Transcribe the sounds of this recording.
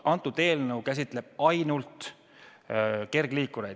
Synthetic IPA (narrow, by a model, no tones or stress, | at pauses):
ʔɑnt̪ːˑud̪̥e̞ːlnɤwkæs̬ʲit̪ˑle̞b̥ɑjnult̪ | ke̞rɡ̥liːkuɾejd̥̪